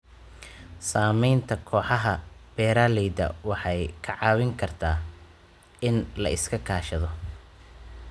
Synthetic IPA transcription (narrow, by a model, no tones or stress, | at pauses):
saːmɛjnt̪ʰɐkʰɔːħɑɦɐb̥ɛːɾaːlɛjd̪ɐ̰wɑħɑjkʰɐʕɑːwɪŋkʰɐrt̪ʰaː | ɪnlɐʔɪskʰɐkʰaːʃɐðɔ